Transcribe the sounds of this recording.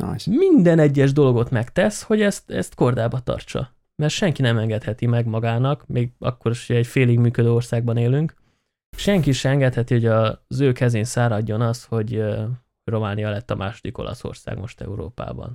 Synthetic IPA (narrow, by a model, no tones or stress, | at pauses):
mind̪ɛnɛɟːɛʒd̪o̞loɡo̞t̪mɛkt̪ɛsho̞ɟɛst̪ɛ̰st̪ko̞rd̪aːbɒt̪ɒ̰rt͡ʃɒ̰ | mɛrʃɛŋkinɛmɛŋɡɛt̪hɛt̪imɛɡmɒɡaːnɒkmʔeːɡɒ̰kːo̞ɾiʃoɟɛːcfeːliɡmyːkød̪øːo̞rsaːɡ̚bɒneːlyŋk | ʃɛŋkiʃɛɛŋɡɛt̪hɛt̪iho̞ɟɒzøːkɛzeːnsaːɾɒɟːo̞nɒsho̞ɟ | ro̞maːnijɒlɛt̪ːɒmʔa̰ːʃod̪iko̞̰lɒ̰so̰rsa̰ːɡmo̞̰ʃt̪ɛ̰uɾo̰ːpa̰ːbɒ̰n